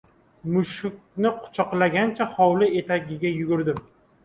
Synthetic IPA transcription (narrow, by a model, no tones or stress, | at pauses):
mʊʃʊk̚ʲnɪqʰʊ̥t͡ʃʰɒqlaɡʲant͡ʃʰaχɒwlɪe̞t̪ʰaɡʲɪɡʲajʊɡʊɾd̪ɪm